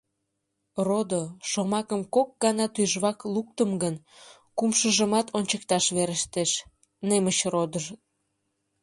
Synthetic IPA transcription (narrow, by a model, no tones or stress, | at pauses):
rod̪oʃomɑkəmkok̚ɡɑnɑt̪yʒβɑkluk̚t̪əmɡən | kumʃəʒəmɑt̪ʰonʲt͡ɕəkt̪ɑʃβeɾəʃt̪eʃ | nemət͡ɕrod̪əʒ